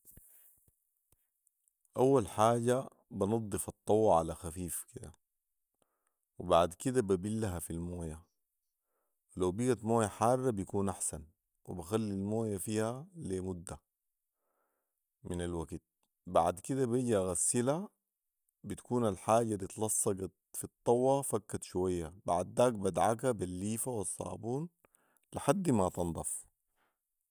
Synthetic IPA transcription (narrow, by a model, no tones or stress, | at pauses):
ʔawːalħaːɟa | bɪnɨd̪ˤːɨfɑt̪ˤːɑwːɑʕalaxafiːfkid̪a̰ | wibaʕd̪kid̪ababilːaɦafilmoːja | wilawbiɡat̪moːjaħɑːrˤːɑbijkuːnʔaħsan | wibaxalːilmoːjafiːhalemud̪ːa | minalwaɡit̪̚ | baʕd̪kid̪abiɟaɣasila | bit̪ḁkuːnalħaːɟalit̪lɑsˤːɑɡɑt̪fit̪ˤːɑwːɑfakːat̪ʃuwajːabaʕd̪ːaːk̚bad̪ʕak̬abilːiːfawɑsˤːɑ̰ːbuːn | liħad̪ːmat̪ɑnd̪ˤɑf